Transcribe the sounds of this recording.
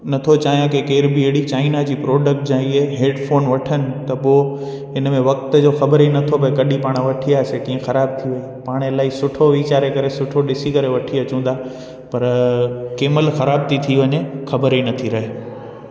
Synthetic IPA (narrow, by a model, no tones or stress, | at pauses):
nɐt̪ʰot͡ɕaːɦjãkekeːɾbieɦɽit͡ɕaːɪnad͡ʑiːpɾɔːɖək̚ʈd͡ʑãːieɦeːɖfoːnʋɐʈʰənɪ̆t̪ɐpo | ɪnmẽʋɐk̚t̪d͡ʑoːxɐbəɾinɐt̪ʰobɐkɐɗipaːɽ̃ʋɐʈʰiaːsekĩːẽxɐɾaːb̚t̪ʰiʋɐɦepaːɽ̃elaːisʊʈʰoʋiːt͡ɕaːɾekɐɾesʊʈʰoɗɪsikɐɾeʋɐʈʰiɐt͡ɕũːn̆d̪aː | pɐɾkeːməlxɐɾaːb̚t̪ʰit̪ʰiʋɐɲexɐbəɾinɐt̪ʰiɾɐɦeː